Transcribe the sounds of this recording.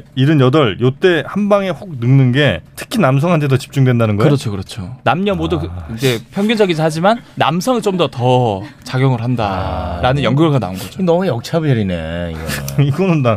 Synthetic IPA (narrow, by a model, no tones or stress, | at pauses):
iɾɯnjʌdʌɭjot͈e̞hanbaŋe̞ɸoɡ̚nɯŋnɯnɡe̞tʰɯ̥kʰinams̬ʰʌŋɦantʰeʌt͡ɕi̥p̚t͡ɕ͈uŋdwe̞ndanɯnɡʌɯoɾʌt͡ɕʰokɯɾʌt͡ɕʰonamɲʌmwoduind͡ʑe̞pʰjʌŋɡjʌd͡ʑʌɡid͡ʑiɦad͡ʑimanːa̰msʰʌŋiɭt͡ɕomdʌtʌt͡ɕaɡjʌŋɯɭɦandaɾanɯnjʌŋɡuɡɯɭɡana̰ɯnɡʌd͡ʑoinʌejʌk̚t͡ɕʰabeɾineiɡʌiɡʌnɯnda